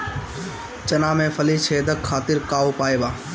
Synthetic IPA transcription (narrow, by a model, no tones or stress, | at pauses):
t͡ʃənaːmẽːfəliːt͡ʃʰeːd̪əkʰːaːt̪ɪɾkaːoːpaːeːbaː